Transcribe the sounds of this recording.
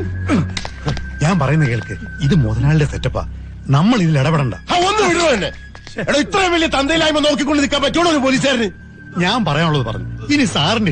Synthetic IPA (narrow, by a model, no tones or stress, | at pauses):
ɲaːmpɐrɐjunːɐkeːɭkɨiðɨmoðɐnaːɭildet̪etːɐpːa̰ | nɐmːɐɭiðileɽɐpeɽɐɳɖa̰ːaːo̞nːɨʋiɽrot̪ɐnːe | ɽoit̪ːrɐjɐmʋɐlːijɐt̪ɐnd̪ɐjilaːjumːɐno̞ːk̬ːikːo̞ɳɖɨnikːaːmpɐtːoːɽoɾupolis̬aːɾɐnɨ | ɲaːnpɐrɐjaːnuɭːɐðɨpɐrɐ̰ɲːuinisaːrɨɳɖi